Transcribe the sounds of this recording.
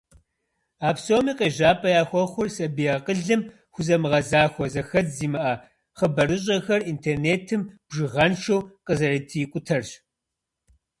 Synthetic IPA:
aːpsoːmiːqʼeːʑaːpʰʼɐjaːxʷɔχʷʊrsʼɐbijɐqəɮɨm | xʷʊzɐmɨʁɐzaːxʷɔzɐxɐtziːmɐʔɐ | χəbɐrɨɕ̬ʼɐxɐrintʰeːrneːtʰɨmb̥ʒɨʁɐnʃɐwqʼəzɐɾiːtʰɨjkʷʼʊtʰɐrɕ

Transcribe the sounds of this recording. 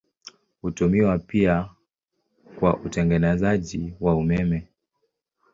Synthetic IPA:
hutumiwapia | kwa̰ʔutɛŋɡɛnɛzaʄiwaumɛmɛ

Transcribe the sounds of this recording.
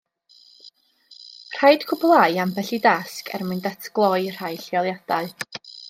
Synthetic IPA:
r̥ajd̥kʰʊblˠaɨambɛɬidaskʰɛ̰rmɨndatʰɡ̥lˠɔɨr̥ajɬɪɔlˠjad̥aɨ

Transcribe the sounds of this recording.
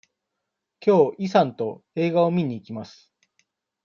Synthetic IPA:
kʲo̞ːisãnt̪o̞e̞ːɡao̞mʲiɲ̟iːkʲimasɨ̥

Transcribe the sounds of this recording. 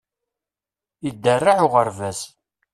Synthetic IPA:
jəd̪ːərːaʕʊʁəɾvæs

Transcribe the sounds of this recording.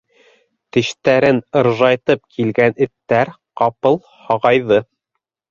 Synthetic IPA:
t̪ɘ̆ʃt̪æɾɘnɤ̆ɾʒɑjt̪ɤp̚kʰilɡænɘ̆t̪ːæɾ | qɑpɤlˠ | hɑʁɑjðɤ

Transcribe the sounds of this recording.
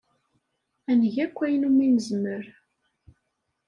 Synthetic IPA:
ænəʝækʷːæjənuminəzməɾ

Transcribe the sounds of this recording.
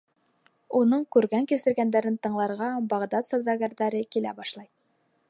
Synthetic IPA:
unɤɴkʉɾɡæŋkɘ̆sɘ̆ɾɡænd̪æɾɘnt̪ɤ̆ɴlˠɑɾʁɑbɑʁd̪ɑt̪sowðɑɡæɾðæɾɘkilæ̰bɑʃlˠɑj

